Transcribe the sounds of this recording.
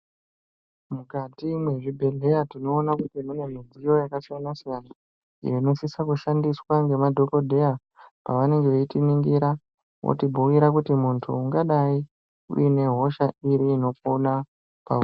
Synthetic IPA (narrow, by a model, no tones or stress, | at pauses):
mukatimwe̞ʐibʱe̞ɮe̞jatino̞ːnakutimune̞mid͡zijo̞jakasijanasijana | ḭjoino̞sisakuʃandiswaŋɡe̞madʱo̞ko̞dʱe̞ja | pa̰ʋane̞ŋɡeʋeitiniŋɡiɾa | wʔo̰tibʱuwiɾak̬utimuntʰṵːŋɡaɗai | ṵine̞ɦo̞ʃaiɾiːno̞pona | pa̰u